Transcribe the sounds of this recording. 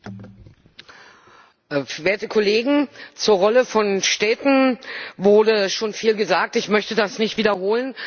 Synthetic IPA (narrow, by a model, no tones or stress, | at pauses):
veːɐtəkʰʊleːɡŋ̩t͡suːɐʁɔləfɔnʃtɛːtn̩vʊɐdəʃoːnfiːlɡəzaːk̚tɪçmœçtədasnɪçtv̥iːdɐhoːlən